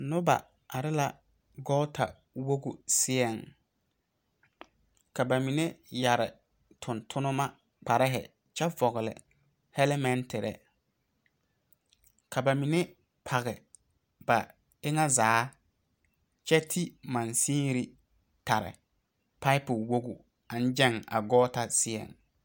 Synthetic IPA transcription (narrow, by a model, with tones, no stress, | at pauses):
nʊ˦ba̰˨ | a˨ɾɪ˦la˦ | ɡɔ˦ltʰa̰˨ | wo˦ɡu˨sɪ˦ɛ˨ŋ | ka˨ba˨mi˨ne˦ja˨ɾɪ̰˨ | tʰʊ˨ntʰʊ˦nʊ˦ma˦ | k͡pa˨ɾɪ˦ɦɛ̰˨ | t͡ʃɛ˦vɔ˨ɣʊ˨lɪ̰˨ | hɛ˦lɪ˦mɛ˦ntɪ˨ɾɛ̰˨ | kʰa˨ba˨mi˨ne˦ | pʰa˨ɣɛ˨ | ba˨ | ɪ˦ŋa˦zaː˨˦ | t͡ʃɛ˦tʰi˦mã˨nsĩː˦ɾi˦ | ta˨ɾɪ̰˨ | pa˦ɪ˦pʊ˨wo˦ɡu˨ | a˨n˦d͡ʒɛ˦ŋa̰˨ɡɔː˦ta˦sɪ˦ɛ̰˨ŋ